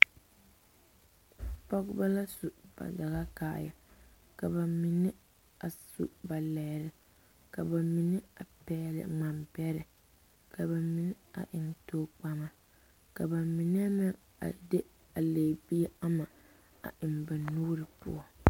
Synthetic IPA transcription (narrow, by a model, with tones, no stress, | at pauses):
pɔ˦ɡba˦la˦su˨b̥a̰˨da˨ɣa˦ka̰ː˦˨ja˨ | ka˨ba˨mi˨nɪ˦ | a˨sṵ˨ba˨lɛ˨ɾɪ˨ | ka˨ba˨mi˨nɪ˦a˨pɛː˦lɪ̰˨ŋ͡ma˨mbɛ˦ɾɨ˨ | ka˨ba˨mi˨nɪ˦a̰˨ʔɪ˨n˦toː˦k͡pa˦ma˨ | ka˨ba˨mi˨n˦a˦mɪ˦ | a̰˨dɪ˦ | a˨leː˨bi˦a˦ma˨ | a̰˨ʔɪ˨mba˨nuː˦ɾɨ˨pʊ̰˦ɔ˦